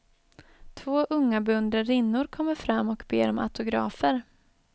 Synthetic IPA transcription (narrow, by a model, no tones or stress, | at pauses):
t̪ʰvoːʔɵŋːabɵnd̪əɾɪnːʊɾkʰɔmːəɾfɾamːɔkbḛːɾɔmʔa̰t̪ʊɡɾɑ̰ːfəɾ